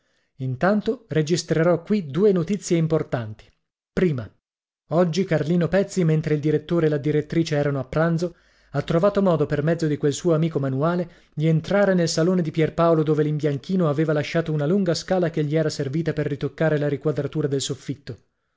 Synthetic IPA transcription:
int̪ant̪ored͡ʒist̪ɾeɾɔkːwid̪uːenot̪it̪sːjeimport̪ant̪i̥ | pɾiːma | ɔd͡ʒːikarliːnopɛt̪sːiment̪ɾeild̪iɾet̪ːoːɾeːlad̪iɾet̪ːɾiːt͡ʃeɛːɾanoapːɾand̪zo | at̪ːɾovaːt̪omɔːd̪opermɛd̪zːod̪ikwelsuːoamiːkomanuaːle | dʎient̪ɾaːɾenelsaloːned̪ipjɛrpaolod̪oːvelimbjaŋkʰiːnoaveːvalaʃːaːt̪ounaluŋɡaskaːlakeʎːiɛːɾaserviːt̪aperːit̪okːaːɾelaɾikwad̪ɾat̪uːɾad̪elsofːit̪ːo

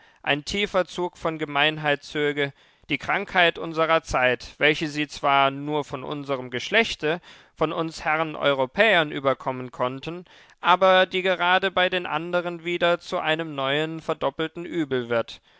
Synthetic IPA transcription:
ʔaɪntʰiːfɐt͡suːkfɔnɡəmaɪnɦaɪtt͡søːɡə | d̥iːkʁ̥aŋkhaɪtʔʊnzəʁɐt͡saɪtv̥ɛlçəziːt͡sv̥aːɐnuːɐfɔnʔʊ̰nzəʁəmɡəʃlɛçtə | fɔnʊnshɛʁənʔɔ̰ʏʁopʰɛːɐnʔyːbɐkʰɔmənkʰɔntən̩ | ʔaːbɐdiːɡəʁaːdəbaɪdeːnʔa̰ndəʁ̞ənviːdɐt͡suʔaɪnəmnɔʏənfɛɐdɔpl̩tn̩ʔyːbl̩vɪɐt

